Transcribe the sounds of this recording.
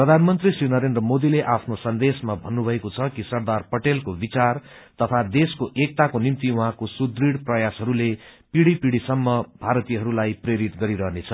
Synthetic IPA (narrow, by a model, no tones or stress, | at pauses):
prʌd̪ʱanmʌnt̪risrinʌɾend̪rʌmod̪ileʔapʰnosʌnd̪esmabʱʌnːubʱʌekot͡sʰʌkisʌrd̪arpʌʈelkobit͡sar | t̪ʌt̪ʰad̪eskoʔek̚t̪akonimt̪iuɦãkosud̪riɽprʌjasɦʌɾulepiɽipiɽisʌmːʌbʱaɾʌt̪ijɦʌɾulajpreɾit̪ɡʌɾiɾʌɦnet͡sʰʌ